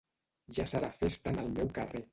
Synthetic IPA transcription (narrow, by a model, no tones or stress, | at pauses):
ʒasəɾafest̪ənəlˠmɛwkəre